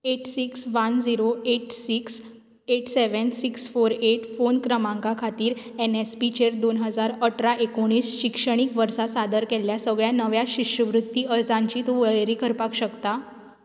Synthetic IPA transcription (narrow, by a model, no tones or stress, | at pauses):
eʈsiksʋənd͡ziɾoeʈsiks | eʈseʋənsiksfoɾeʈfonkɾəmãŋkakʰat̪iːɾɛnespit͡ɕeɾd̪onɦəd͡zaɾəʈʰɾaʔekoɽ̃iːsɕikʂəɽ̃ikʋəɾsasad̪əɾkelːjasəɡɭjanəʋjaɕiʂɕjəʋɾut̪ːiəɾd͡zãɲt͡ɕiːt̪uʋəɭɾiːkʰəɾpakɕəkt̪a